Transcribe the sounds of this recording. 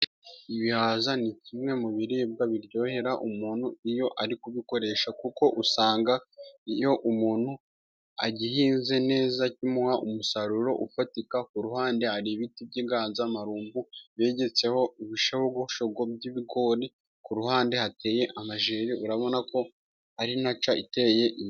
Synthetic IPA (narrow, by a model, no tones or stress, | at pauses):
iβihaːzanicimŋe̞muβiɾib̚ɡaβiɾɟo̞ːhe̞ɾaʔumuːnhuijo̞ʔaɾikuβiko̞ɾe̞ʃakuko̞ʔusaːŋɡaijo̞ʔumuːn̥hu | a̰ɟihiːnze̞ne̞ːzacimuwaʔumusaɾuɾo̞̰ʔufatikakuɾuhaːnde̞haɾiβitib̚ɟiːɡaːnzaːmaɾuːmbuβe̞ːɟe̞t͡se̞ho̞iβiʃahoɡuhʃoɡobɟiβiɡo̞ːɾi | kuɾuhaːnde̞hate̞ːje̞ʔamaʒeːɾiʔuɾaβo̞nako̞ | haɾinat͡ʃaʔite̞je̞ʔi